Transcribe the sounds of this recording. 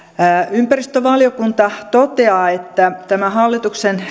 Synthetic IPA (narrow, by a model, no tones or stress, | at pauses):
ympærist̪øʋɑljokunt̪ɑt̪ot̪eɑːet̪ːæt̪æmæhɑlːit̪uksen